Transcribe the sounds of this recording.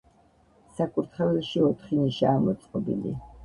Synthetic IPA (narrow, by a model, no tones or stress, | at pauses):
sakʰʼuɾt̪ʰχɛvɛlʃiɔt̪ʰχiniʃaːmɔt̪sʼqʼɔbḭlḭ